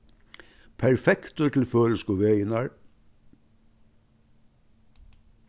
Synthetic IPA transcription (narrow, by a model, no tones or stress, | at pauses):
pʰæɹfɛkt̪oʈ̪ʰl̩føːl̩skuːʋœʏnɑɹ